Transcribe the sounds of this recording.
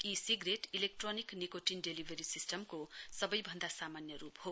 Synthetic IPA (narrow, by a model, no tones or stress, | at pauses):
isiɡreʈilek̚ʈroniknikoʈinɖelibʱeɾisisʈʌmkosʌbʌjbʱʌnd̪asamanjʌɾupho